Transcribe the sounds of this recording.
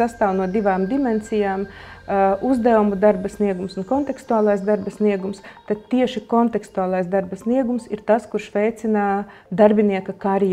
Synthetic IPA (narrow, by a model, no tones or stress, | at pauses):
ast̪aːwnuɔd̪iʋaːmd̪imɛnsʲijaːm | uzd̪ɛumud̪aɾbɐsniɛɡumsunkɔnt̪ɛkst̪uaːlˠajsd̪aɾbɐsniɛɡumst̪at̪̚t̪ːiɛʃikont̪ɛkst̪uaːlˠajsd̪aɾbɐsniɛɡumsiɾt̪askuɾʃʋʲɛjt̪sinad̪aɾbʲiniɛkɐkaɾj